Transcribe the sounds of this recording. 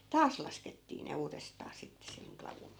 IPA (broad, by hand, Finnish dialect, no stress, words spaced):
tɑːs lɑsketːiː ne uːrestɑː sitːe seŋ klɑʋuŋ